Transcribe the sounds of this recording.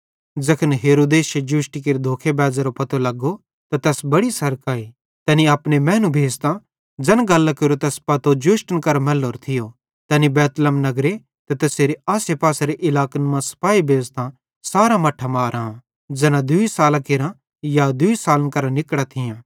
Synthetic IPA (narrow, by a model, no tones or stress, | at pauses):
d͡zɐkʰənɦeːɾoːd̪eːsjed͡ʒʊːʃʈik̬eɾed̪ʱoːkʰebɛːd͡ʒaɾopɐt̪olɐɡːo | t̪at̪ɛːsbɐɽisɐɾkaːi | t̪ɛːniaːpnemɛ̃ːnũbʱeːst̪ã | d͡ʒɐnɡɐlːakeɾot̪ɛːspɐt̪od͡ʒʊːʃʈənkɐɾmɛlːoːɾt̪ʰɪjo | t̪ɛːnibɛːt̪ələmnɐɡɾe | t̪ɐt̪ɛːseːɾeaːsepaːsaɾeʔɪlaːkənmãsɐ̥paːibʱeːzt̪ã | saːɾãmɐʈʰːamaːɾaːã | d͡ʒɐnãd̪ʊisaːlãkeːɾã | jad̪ʊisaːlənkɐɾãnɪkɽat̪ʰɪjãː